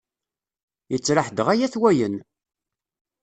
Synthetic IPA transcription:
jət͡sːɾəħd̪ʁæjæθwæjən

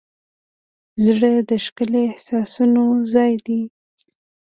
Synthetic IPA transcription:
zɽəd̪əʃkəleːhsɑsunozɑjd̪i

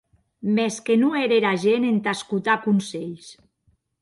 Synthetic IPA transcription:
meskenueɾeɾaʒenent̪askut̪akunseʎs

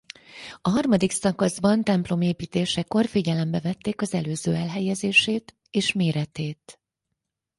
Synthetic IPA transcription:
ɒɦɒrmɒd̪iksɒkɒzbɒnt̪ɛmplo̞meːpiːt̪eːʃɛko̞rfiɟɛlɛmbɛvɛt̪ːeːkɒzɛløːzø̰ːɛlɦɛjɛzeːʃeːt̪ | eːʃmeːɾɛt̪eːt̪

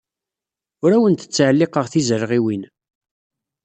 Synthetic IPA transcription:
ʊɾæwənt̪ə̥t͡sːʕəlːɪqəʁθizəɾʁiwin

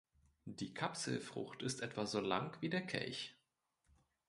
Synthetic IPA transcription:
d̥iːkʰapsl̩fʁ̥ʊ̰xtɪstʔɛtv̥azoːla̰ŋkv̥iːdeːɐkʰɛ̰lç

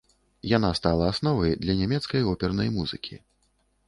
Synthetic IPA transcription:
janast̪alˠɐːsnɔvɐjd̪lʲɐnʲamʲɛt̪skɐjɔpʲɛrnɐjmuzɨ̰kʲʰḭ

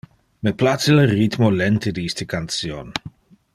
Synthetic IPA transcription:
meplat͡selerit̪molɛnt̪ed̪iist̪əkant̪st͡sjon

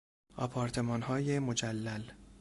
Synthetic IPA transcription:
ɒpʰɒːɾt̪ʰe̞mɒːnhɒːjemod͡ʒælːæl

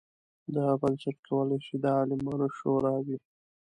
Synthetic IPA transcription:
d̪aɣabənsaʈkʰawəlaʃid̪əɑlɪmɑːnoʃoɾɑwi

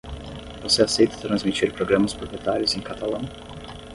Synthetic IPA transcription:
voseasejt̪ɐ̥t̪ɾɐ̃zmit͡ʃiɾpɾoɡɾɐ̃mɐspɾopjet̪aɾʲjʊzẽj̃kat̪alɐ̃w̃

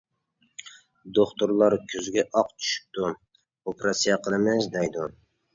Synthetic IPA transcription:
d̪oχt̪ʊɾlˠɑɾkʲʰøzɡʲɛʔɑqt͡ʃʰy̥ʃy̥p̚t̪ʰʊ | opɾɑsijɑqʰəlˠɨmɪzd̪ɛjd̪ʊ

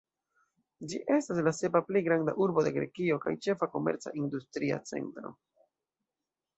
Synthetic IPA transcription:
d͡ʒiʔe̞staslase̞paplejɡɾanda̰ʔuɾbo̞de̞ɡɾe̞̰kio̞ka̰jt͡ʃe̞fako̞me̞̰ɾt͡sa̰ʔindustɾia̰t͡se̞̰ntɾo̞̰

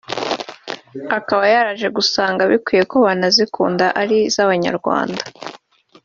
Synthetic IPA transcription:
akaβajaɾaʒe̞ɡusaːŋɡaβikwije̞koβanazikuːndaʔaɾizaβaɲa̰ɾɡwa̰ːnda

